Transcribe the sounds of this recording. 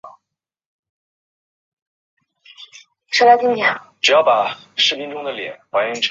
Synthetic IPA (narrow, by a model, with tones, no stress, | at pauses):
ʂɤ˥la˥t̪ʰi˥ŋt̪jɛ˨˧˩ʈ͡ʂu˨˩jɑ˥˩ʊpa˨˩ʂɻ̩˥˩pi˥ŋʈ͡ʂʊ˥ŋd̪ə˨ljɛ̰˨˩˦nwa˧˥nɛ˧˥ʈ͡ʂʰ